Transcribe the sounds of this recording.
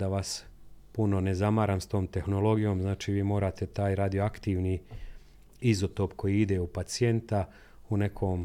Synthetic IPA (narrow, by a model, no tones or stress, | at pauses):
d̪aʋas | puno̞ne̞zamaːɾaːmst̪o̞ːmt̪e̞xno̞lo̞ɡijo̞ːmznaːt͡ʃiːʋiːmo̞ːɾaːt̪e̞t̪aːjɾad̪ijoakt̪iʋni | izot̪o̞pko̞jiːid̪e̞upat̪sie̞nt̪a | une̞kʰoːm